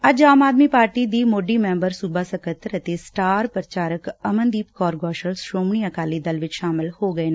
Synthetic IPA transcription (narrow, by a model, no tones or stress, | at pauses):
ɐd͡ʒaːmaːd̪miːpaːɾʈiːd̪iːmoːɖimɛ̃mbəɾsubaːsəkət̪əɾət̪esʈaːɾpɾət͡ʃaːɾəkəmə̃nd̪iːpkɔːɾɡɔːʃəlsʃɾoːmɳ̃iːəkaːlid̪ɐlʋɪt͡ʃʃaːmɪlhoːɡəeːn